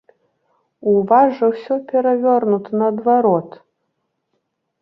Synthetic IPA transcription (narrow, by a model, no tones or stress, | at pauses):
uvaʐɐwsʲɔpʲɛɾavʲɔrnut̪nɐːd̪vaɾɔt̪